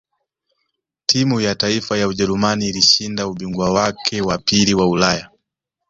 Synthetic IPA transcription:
tʰimujataifajauʄɛɾumaniːliʃindauɓiŋɡwawakʰɛwapiliwaulaja

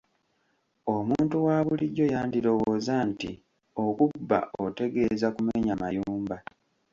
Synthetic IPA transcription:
o̞muːntuwaːβuliɟːo̞jaːndilo̞woːzantḭ | o̞kubːa̰ote̞ɡe̞ːzakumeɲamajuːmba

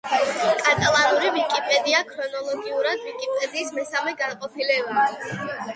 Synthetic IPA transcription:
kʼat̪ʼalˠanuɾivikʼipʼɛd̪iakʰɾɔnɔlˠɔɡiuɾad̪vikʼipʼɛd̪iːsmɛsamɛɡanqʼɔpʰilɛuli

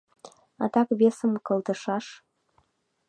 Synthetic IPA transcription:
ɑ̰t̪ɑkβesəmkɤ̆lˠt̪ə̆ʃɑʃ

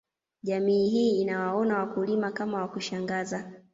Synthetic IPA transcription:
ʄamiːɦiːnawaɔnawakulimakamawakuʃaŋɡaza

